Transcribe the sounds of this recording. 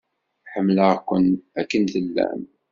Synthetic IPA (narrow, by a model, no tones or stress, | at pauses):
ħəmːləʁkʷənækːənθəlːæ̰n